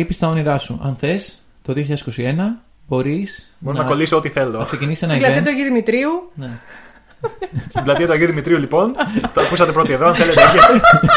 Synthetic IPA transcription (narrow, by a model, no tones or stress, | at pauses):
ipist̪ɐoniɾɐsuɐ̰nθe̞s | t̪o̞ðioçʎɐðsiko̞sie̞nɐ | bo̞ɾisboɾonɐko̞lisoot̪iθe̞loɐɐkse̞cinisenɐilɐteiɐt̪uɐʝiuðimit̪ɾiune | st̪iblɐt̪iɐt̪uɐʝiuðimit̪ɾiulipo̞nt̪oɐkusɐt̪e̞pɾot̪ieðoɐnθe̞let̪eiiɐt̪e